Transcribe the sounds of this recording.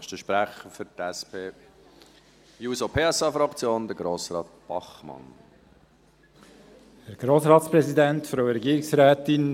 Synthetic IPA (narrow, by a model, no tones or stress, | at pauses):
ʃtəʃpɾæχəfʏt̪ɛspʰeː | juːsopʰeːɛsɑfɾɑkt͡sjoːnd̥̪əɾɡɾoːsɾɑ̰ːt̪̚b̥ɑχmɑ̰n | hɛɾɡ̥ɾoːsɾɑːtspɾɛsid̪ænt̪fɾoʊɾɛɡiːɾɪksɾæːt̪ɪn